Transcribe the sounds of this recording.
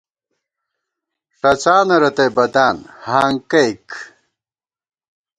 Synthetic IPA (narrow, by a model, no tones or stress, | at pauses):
ʂɐt͡ɕaːnɐɾɐt̪ejbɐd̪aːnhaːŋkɐjk